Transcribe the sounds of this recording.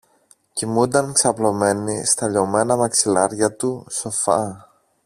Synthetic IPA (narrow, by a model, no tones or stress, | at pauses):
cimund̪ɐŋksɐplo̞me̞nist̪ɐʎo̞me̞nɐmɐksilɐɾʝɐt̪uso̞fɐ